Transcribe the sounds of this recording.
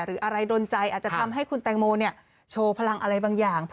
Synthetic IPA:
ɾɯː˩˦ʔa˧ɾa˧jdoː˧nt͡ɕa˧jʔaː˨˩t̪̚t͡ɕa˨t̪ʰa˧mɦa˥˩jkʰu˧nt̪ɛː˧ŋmoː˧ni˥˩ɐ | t͡ɕʰoː˧pʰa˧la˧ŋʔa˧ɾa˧jbaː˧ŋjaː˨˩ŋʰ

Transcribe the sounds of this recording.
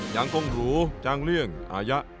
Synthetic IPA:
ja˨˧˩ŋko˧ŋɾuː˦˥t͡ɕaː˧ŋlɯ˥˩əŋʔa̰ː˨˧ja˦˥ʔ

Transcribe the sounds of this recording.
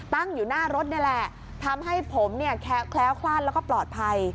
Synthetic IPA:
t̪a˥˩ŋjuː˨˩naː˥˩ɾo˦˥t̪̚na˥˩lɛ˨˩ | t̪ʰa˧mɦa˥˩jpʰo˩˦mni˥˩əkʰɛː˦˥kʰlɛː˦˥wkʰlaː˥˩nlːkɔː˥˩plɔː˨˩t̪̚pʰa˧j

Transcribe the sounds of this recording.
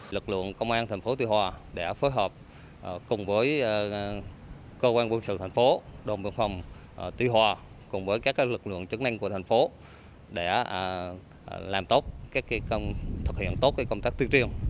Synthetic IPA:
lɨ˨˩k̚lɨ̰˧˨əŋkə˧wŋ͡mʔaː˧nt̪ʰjŋ̟fo˨˦t̪wi˧hwaː˨˩ɗe˧˩foː˨˦jɦəː˨˩p̚ | ʔkʊ˨˩ŋ͡mvəː˨˦j | kəː˧kwaː˧nkwə˧nsɨ̰˧˨t̪ʰjŋ̟fo˨˦ɗo˨˩nɓḭ˧˩ənfa˨˩wŋ͡m | t̪wi˧ɦwaː˨˩ | kʊ˨˩ŋ͡mvəː˨˦jkaː˦˥kːa˦˥lɨ˨˩k̚lɨ̰˧˨əŋt͡ɕɨ˨˦ŋna˧jŋku˧˩ət̪ʰa˨˩jŋ̟fo˨˦ | ɗe˧˩˧ | laː˨˩mt̪o˦˥t̚kaː˦˥k̚ːkə˧wŋ͡mt̪ʰɨ˨˩k̚hḭ˧˨ənt̪o˦˥t̚kaː˧˦jkə˧wŋ͡mt̪aː˦˥k̚t̪wət͡ɕi˧əŋ

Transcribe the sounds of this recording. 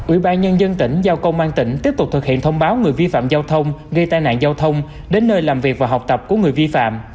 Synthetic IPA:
ʔwḭ˧˩ɓaː˧nɲə˧nzə˧nt̪ï˧˩ŋ̟zaː˧wkə˧wŋ͡mʔwaː˧nt̪ï˧˩ŋ̟t̪i˦˥əp̚t̪ʊ˨˩k͡p̚t̪ɨ˨˩k̚hḭ˧˨ənt̪ʰə˧wŋ͡mɓaː˨˦wŋɨ˨˩əjvi˧fa̰ː˧˨mzaː˧wt̪ʰə˧wŋ͡mɣə˧jt̪aː˧jna̰ː˧˨nzaː˧wt̪ʰə˧wŋ͡m | ɗe˨˦nːəː˧jlaː˨˩mvi˨˩ək̚vaː˨˩ɦa˨˩wk͡p̚t̪ə˨˩p̚ku˧˩əŋɨ˨˩əjvi˧fa̰ː˧˨m

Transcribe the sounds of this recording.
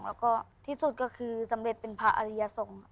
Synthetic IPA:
ŋlɛː˧˩wkɔː˧˩t̪ʰiː˧˥˩su˧t̪̚kɔː˧˩kʰɯː˧sa˩˦mle˧˩t̪̚pe˨npʰaː˧ʔa̰˧li˧ja˧sɔː˩˦ŋ

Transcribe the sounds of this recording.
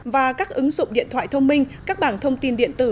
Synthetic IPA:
vaː˨˩kaː˦˥k̚ʔɨ˨˦ŋzʊ̰˧˨ŋ͡mɗḭ˧˨ənt̪ʰwaː˧˨jt̪ʰə˧wŋ͡mmï˧ŋ̟kaː˦˥k̚ɓaː˧˩nt̪ʰə˧wŋ͡mt̪i˧nɗḭ˧˨ənt̪ɨ˧˩

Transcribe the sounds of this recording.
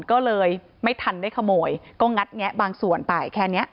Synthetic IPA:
nkɔː˥˩lɤː˧j | ma˥˩jt̪ʰa˧ndaː˥˩jkʰa˧moː˨˧jkɔː˥˩ŋa˦˥t̪̚ŋi˦˥əʔbaː˧ŋsu˨˩ənpa˧˩jkʰɛː˥˩ni˦˥ɐʔ

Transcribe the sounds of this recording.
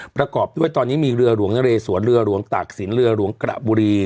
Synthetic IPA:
pɾa˧kɔː˨˩p̚du˥˩əjt̪ɔː˧nːiː˦˥miː˧ɾɯ˧ɐɾu˩˦əŋna˧ɾeː˧su˨˩˦ənɾɯ˧ɐɾu˩˦əŋt̪aː˨˩k̚si˨˩˦nɾɯ˧ɐɾu˩˦əŋkɾa̰˨˩ʔbuː˧ɾiː˧

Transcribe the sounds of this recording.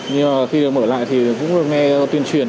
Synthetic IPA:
ɲɨ˧ŋmaː˨˩xi˧ɗək̚məː˧˩la̰ː˧˨jt̪ʰi˨˩kʊ̰˧˥ŋ͡mɗɨ˨˩ək̚ŋɛ˧t̪i˧ənt͡ɕwi˨˩ən

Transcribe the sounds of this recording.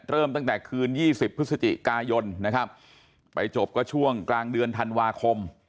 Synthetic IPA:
ɾɤː˥˩mt̪a˥˩ŋt̪ɛː˨˩kʰɯː˧njiː˥˩si˨˩pʰːɯ˦˥t̚sa˧t͡ɕ̪ḭ˨˩kaː˧jo˧nna˦˥kʰa˦˥p̚ː | a˧jt͡ɕo˨˩p̚kɔː˥˩t͡ɕʰu˥˩əŋklaː˧ŋdɯ˧ənt̪ʰa˧nwaː˧kʰo˧m

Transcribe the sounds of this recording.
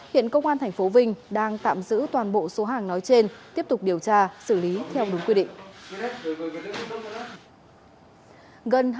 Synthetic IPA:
hḭ˧˨ənkə˧wŋ͡mʔaː˧nt̪ʰɛ˨˩ŋ̟fo˨˦vï˧ŋ̟ɗaː˧ŋt̪a̰ː˧˨mzɨ̰˧˥t̪waː˨˩nɓo̰˧˨so˨˦ɦaː˨˩ŋnɔ˨˦jt͡ɕe˧nt̪i˦˥əp̚t̪ʊ˨˩k͡p̚ɗi˨˩əwt͡ɕaː˧sɨ˧˩li˨˦t̪ʰɛ˧wɗʊ˨˦ŋ͡mkwi˧ɗḭ̈˧˨ŋ̟˦˨˦ | ɣə˨˩nɦ

